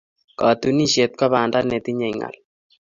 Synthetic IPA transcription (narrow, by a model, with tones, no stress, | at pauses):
kɑ˨tu˦ni˦ʃe˨t̪̚kɔ˦βaː˨nda˦ne˨t̪i˦ɲɛ˨jŋa̰˨l